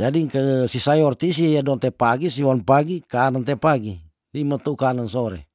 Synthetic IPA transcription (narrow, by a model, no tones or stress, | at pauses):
d͡ʒadikəsisajɔrt̪is̬ijadɔnt̪ɛpaɡisiwanpaɡikanant̪epaɡi | limat̪aukanansɔɾɛ̰